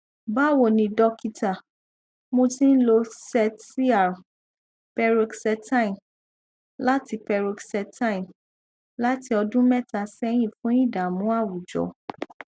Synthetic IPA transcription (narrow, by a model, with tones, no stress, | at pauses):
ba˦˨wo˨nĩ˧dɔ˧ki˧ta˨ | mõ˧tĩ˦n̩˦lo˧sɛ˧tːi˦a˨ɾ | pɛ˧ɾi˧ksɛ˧ta˦i˨m | la˦ti˧pɛ˧ɾu˧ksɛ˧ta˦ĩ˨m | la˦ti˧ɔ˧dũ˦mɛ̃˦ta˧sɛ˦j̃ĩ˦˨fũ˦ĩ˦˨da˨mũ˨˦a˦˨wu˨d͡ʒɔ̰˨